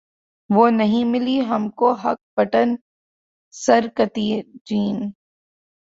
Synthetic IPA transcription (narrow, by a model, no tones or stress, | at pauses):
ʋoːnɐɦĩmɪliɦɐmkoɦɐk̚bɐʈən | sɐɾkɐt̪id͡ʒiːn